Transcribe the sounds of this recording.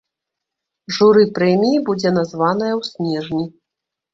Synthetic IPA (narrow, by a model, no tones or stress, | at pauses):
ʐuɾɨpɾɛmʲijibud͡zʲɛn̪azvanɐjɐwsʲnʲɛʐnʲi